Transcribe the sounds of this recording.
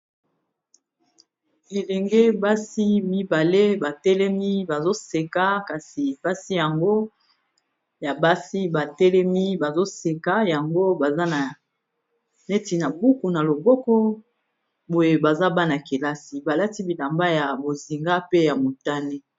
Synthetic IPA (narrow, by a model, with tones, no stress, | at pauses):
e˨lɛ˨ŋɡe˦ba˦si˦mi˦ba˨le˦ba˨tɛ˦lɛ˦mi˦ba˨zo˦se˨ka˦ka˨si˨b̥a˦si˦ja˨ŋɡo˦ | ja˨ba˦si˦ba˨tɛ˦lɛ˦mi˦ba˨zo˦se˨ka˦ja˨ŋɡo˦ba˨za˦na˨ | ne˦ti˨na˨bu˦ku˨na˨lo˨bɔ˦kɔ˦ | bo˨je˦ba˨za˦ba˦na˨ke˨la˦si˨ba˨la˦ti˦bi˨la˨mba˦ja˨bo˨zi˨ŋɡa˦pe˦ja˨mo˨ta˦ne˦